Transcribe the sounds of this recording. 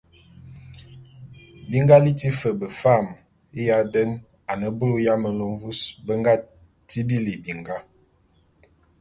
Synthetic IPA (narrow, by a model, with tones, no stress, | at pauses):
bi˦ŋ˦ɡa˦li˦ti˦fə˨bə˨fa˦˨m | i˦ja˦də˦n | a˨nə˨bu˦lu˦ja˦mə˨lo˨ɱ˦vu˦sbə˦ŋɡa˦ | ti˦bi˦li˨bi˨ŋɡa˦